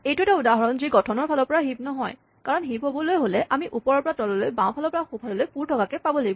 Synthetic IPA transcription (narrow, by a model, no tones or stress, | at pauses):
ejtʊtaudaɦɔɹɔnziɡɔtʰɔnɔɹpʰalɔɹpɔɹaɦib̚nɔɦɔj | kaɹɔnɦibɦobɔlojɦolɛʔamiʔupɔɹɔɹpɔɹatɔlɔlojbãw̃pʰalɔɹpɔɹaxupʰalɔlojpuɹtʰɔkakɛpabɔlaɡibɔ